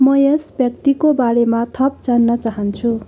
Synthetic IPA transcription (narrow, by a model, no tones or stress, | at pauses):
mʌjesbjʌk̚t̪ikobaɾemat̪ʰʌp̚d͡zanːʌt͡saɦʌnt͡sʰu